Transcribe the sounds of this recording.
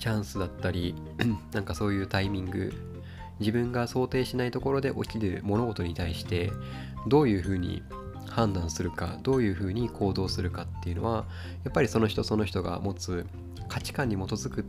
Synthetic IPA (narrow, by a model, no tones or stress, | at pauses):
t͡ɕãɰ̃sɨd̪at̪ːaɾʲi | nãŋkaso̞ːjɯ̟ːt̪aimʲĩŋɡɯ̟̰ | d͡ʑibɯ̟̃ŋɡaso̞ːt̪e̞ːɕinait̪o̞ko̞ɾo̞d̪e̞ʔo̞̰kʲiɾɯ̟̰mo̞no̞ɡo̞t̪o̞ɲ̟it̪aiɕi̥t̪e̞ | d̪o̞ːjɯ̟ːɸɯ̟ːɲ̟ḭ | hãnd̪ãɰ̃sɨɾɯ̟ka̰d̪o̞ːjɯ̟ːɸɯ̟ːɲ̟ikʰo̞ːd̪o̞ːsɨɾɯ̟kat̪ːe̞jɯ̟no̞̰βa | japːaɾʲiso̞no̞çi̥t̪o̞so̞no̞çi̥t̪o̞ɡa̰mo̞t͡sɨ | kʰat͡ɕi̥kãɲ̟ːimo̞t̪o̞zɨkɯ̟